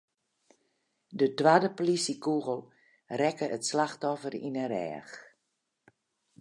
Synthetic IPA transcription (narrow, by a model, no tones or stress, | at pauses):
dətwadəpolisikuɣəlˠ | rɛkəətslaxtɔfərḭnərɛ̰ːx